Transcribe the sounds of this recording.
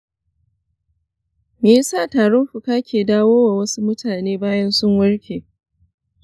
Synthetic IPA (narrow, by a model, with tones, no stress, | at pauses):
meː˨ja˦saː˦˨taː˨ɽɔ˦mɸʊ˨kaː˦kʲeː˨daː˦woː˦waː˨wɐ˦su˦mʊ˦tʰaː˨neː˦baː˦jɐ˦nsʊ˦ŋwɐ˦ɽkʲeː˨